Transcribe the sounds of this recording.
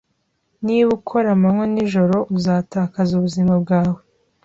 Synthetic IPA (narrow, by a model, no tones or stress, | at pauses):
niβukʰo̞ɾamamŋweniʒo̞ɾo̞ʔuzaːtaːkazuβuzimab̚ɡaːwe